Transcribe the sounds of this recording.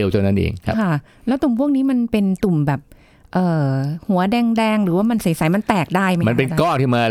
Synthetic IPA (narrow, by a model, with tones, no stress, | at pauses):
e˧wt͡ɕo˧nːa˥nʔḛː˧ŋʰ˦˥kʰa˥˩ | lɛː˦˥wt̪u˨˩mpʰu˥˩ək̚niː˦˥ma˧npe˧nt̪u˨˩mbɛː˨˩p̚ | ʔɤː˨˩hu˨˩˦ɐdɛː˧ŋdɛː˧ŋɾɯː˩˦waː˥˩ma˧nsi˨˩˦jsa˨˩˦jma˧nt̪ɛː˨˩k̚daː˥˩jma˦ma˧n˧pe˧n˧kɔː˥˩ŋt̪ʰiː˥˩maː˧